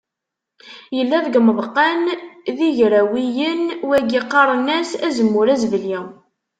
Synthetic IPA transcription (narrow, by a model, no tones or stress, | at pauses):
jəlːæðɡməðˤqːænðiʝɾæwijənwæɡiqːɑɾˤnæsæzəmːʊɾæzvəli